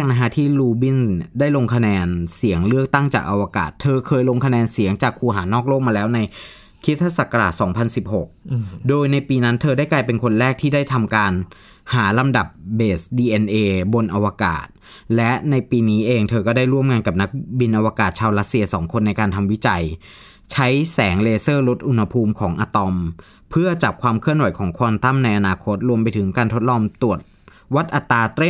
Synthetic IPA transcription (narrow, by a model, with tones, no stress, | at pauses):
k̚na˧kʰa˦˥t̪ʰiː˥˩luː˧bi˥˩ndaː˥˩jlo˧ŋkʰa˧nɛː˧nsi˩˦əŋlɯ˥˩ək̚t̪a˥˩ŋt͡ɕaː˨˩k̚ʔa˧wa˧ka̰ː˨˩t̪ʰːɤː˧kʰɤː˧jlo˧ŋkʰa˧nɛː˧nsi˩˦əŋt͡ɕaː˨˩kʰːuː˧ɦaː˩˦nɔː˥˩k̚loː˥˩k̚maː˧lɛː˦˥wna˧j | kʰi˦˥t̪ʰːa˧˥sa˨˩ka˧ɾa̰ː˨˩t̪̚sɔː˩˦ŋpʰa˧nsi˨˩p̚ho˨˩k̚doː˧jna˧jpiː˧na˦˥nt̪ʰɤː˧daː˥˩jklaː˧jpe˧nkʰo˧nɾɛː˥˩k̚t̪ʰiː˥˩daː˥˩jt̪ʰa˧mkaː˧n | haː˩˦la˧mda˨˩p̚beː˨˩sdiː˧ʔɛ˧nʔeː˧bo˧nʔa˧wa˧ka̰ː˨˩t̪̚ | lɛ˦˥ʔna˧jpiː˧niː˦˥ʔeː˧ŋt̪ʰɤː˧kɔː˥˩da˥˩jɾu˥˩əmŋaː˧nka˨˩p̚na˦˥k̚bi˧nʔa˧waː˧kaː˨˩t̪̚t͡ɕʰaː˧wɾa˦˥t̪si˧ɐsɔ̰ː˩˦ŋkʰo˧nːa˧jkaː˧nt̪ʰa˧mwi˦˥t͡ɕa˧j | t͡ɕʰa˦˥jsɛː˩˦ŋleː˧sɤː˥˩lo˦˥t̪̚ʔu˧nha˧pʰuː˧mkʰɔː˩˦ŋʔaː˧t̪ɔ˧m | pʰɯ˥˩ɐt͡ɕa˨˩p̚kʰwaː˧mkʰɯ˥˩ənwa˨˩˦jkʰɔː˩˦ŋkʰɔː˧nt̪a˥˩mna˧jʔa˧naː˧kʰo˦˥t̪̚ɾu˧əmpa˧jt̪ʰɯ˩˦ŋkaː˧nt̪ʰo˦˥t̪̚lɔː˧mt̪u˨˩ət̪̚ | wa˦˥t̪̚ʔa˨˩t̪ːaː˧t̪e˥˩